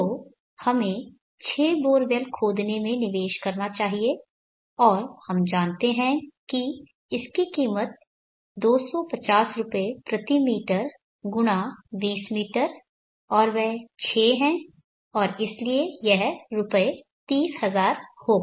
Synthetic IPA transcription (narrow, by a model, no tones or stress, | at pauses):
o | hɐmẽ | t͡ʃʰeːboːɾʋelkʰoːd̪nemẽnɪʋeːʃkɐɾnat͡ʃaːɦie | ɔːɾhɐmd͡ʒãːnt̪eɦɛ̃ki | ɪskikiːmət̪̚ | d̪oːsɔpɐt͡ʃaːsɾʊpepɾɐt̪imiːʈəɾ | ɡʊɽ̃aʋiːsmiːʈəɾ | ɔːɾʋɛɦt͡ʃʰeːɦɛ̃ː | ɔːɾɪsliejɛɦɾʊpəe | t̪iːshɐzaːɾhoː